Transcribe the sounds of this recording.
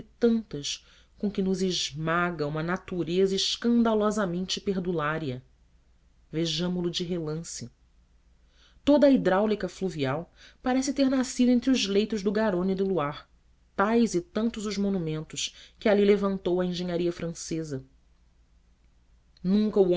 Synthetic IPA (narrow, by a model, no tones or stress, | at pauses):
ɪt̪ɐ̃nt̪ɐʃ | kõkɪnʊzɪʒmaɡɐũmɐnat̪uɾezɐɪʃkɐ̃nd̪alɔzɐmẽnt͡ʃɪpeɾd̪ulaɾiɐ | veʒɐ̃mʊlʊd͡ʒɪɦelɐ̃sɪ | t̪od̪ɐid̪ɾawlikɐfluviawpaɾɛsɪt̪eɾnasid̪ʊẽnt̪̬ɾʊzlejt̪ʊʒd̪ʊɡaɾõnɪd̪ʊluaɾ | t̪ajzɪt̪ɐ̃nt̪ʊzʊzmõnumẽnt̪ʊʃkɪalilevɐ̃nt̪owɐẽʒẽɲaɾiɐfɾɐ̃sezɐ | nũŋkɐuo